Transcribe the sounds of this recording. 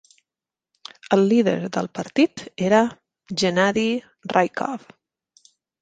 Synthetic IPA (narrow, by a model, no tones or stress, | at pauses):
əlˠːiðə̰ɾðə̰lˠpəɾt̪it̪eɾə | ʒənaði | rʔajkʰɔ̰f